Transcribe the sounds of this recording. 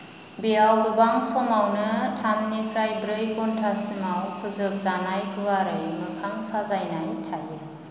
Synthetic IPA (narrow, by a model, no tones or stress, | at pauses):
biawlɯbaŋsɔmawnɯtʰamnipʰɾajbɾɯjkɔntʰasimawkʰɯzɯp̚zanajkʰɯwaɾajɯwnɯpʰaŋsazajnajtʰaje